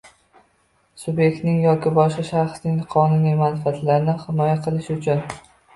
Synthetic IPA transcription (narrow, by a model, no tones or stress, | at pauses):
sʊbje̞k̚ʲt̪nɪŋjɒkʲʰɪbɒʃqɑʃaχsnɪŋqʰɒnʊnijmanfat̪ʰlaɾnɪhɪmɒjaqʰɨlˠɪʃʊt͡ʃʰʊn